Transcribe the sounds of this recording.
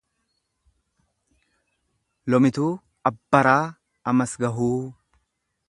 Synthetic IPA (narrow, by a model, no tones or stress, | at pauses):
lɔmɪt̪uː | ɐbːɐɾaː | ɐmɐsɡɐɦuː